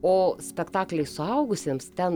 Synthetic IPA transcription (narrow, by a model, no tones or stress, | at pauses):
oːsʲpʲɛkt̪ɑːklʲɛɪsʊɐʊɡʊsʲeːmst̪ʲɛn